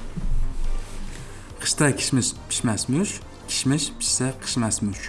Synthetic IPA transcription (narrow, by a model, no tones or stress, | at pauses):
qʰɨ̥ʃt̪ʰɑkʲʰi̥ʃmɪʃpʰi̥ʃmæsmʊʃ | kʲʰi̥ʃmɪʃpʰɪ̥ʃsɛqʰɨ̥ʃmæsmʊʃ